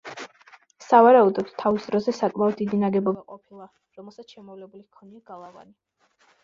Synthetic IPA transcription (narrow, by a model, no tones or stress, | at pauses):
savaɾaud̪ɔd̪̥t̪ʰavisd̪ɾɔzɛsakʼmaɔd̪ːid̪inaɡɛbɔbaqʼɔpʰilˠa | ɾɔmɛlˠsat̪sʃɛmɔvlɛbulikʰɔniaɡ̥alˠava̰ni